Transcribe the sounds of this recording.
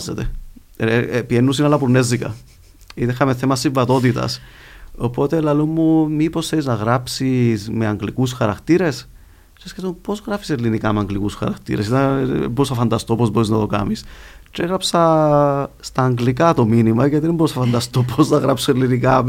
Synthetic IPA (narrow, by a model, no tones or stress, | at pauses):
zːet̪e | pienːus̬inɐlːɐpuɾnːe̞zːikɐ̰ | it̪exɐmeθemɐsːiɱvɐt̪o̞t̪̬it̪ɐ̰s | opo̞t̪elɐlumːumiposθeliznɐɣɾapsisme̞ɐŋɡlikusxɐɾɐkt̪iɾe̞s | t͡ʃeskeθumpo̞zɣɾɐfi̥selːinikɐmeɐŋɡlikusxɐ̰ɾɐkt̪ḭɾe̞sit̪ɐ̰bousɐfɐnd̪ɐst̪opo̞zbo̞ɾiznɐt̪o̞kɐ̰mist͡ʃeɣɾɐpsɐ | st̪ɐːŋɡlikɐt̪o̞minimɐʝɐt̪iembousɐfɐnd̪ɐst̪opoznɐɣɾapsuelːinikɐ